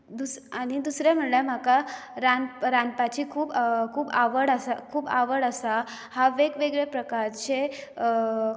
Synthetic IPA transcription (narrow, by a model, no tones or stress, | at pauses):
d̪usaɽ̃id̪usɾɛm̤əɳlam̤akaɾanpɾanpat͡ɕiːkʰuːbkʰuːbaʋəɽəsakʰuːbaʋəɽəsa | haʋeɡʋeɡɭepɾəkaɾt͡ɕe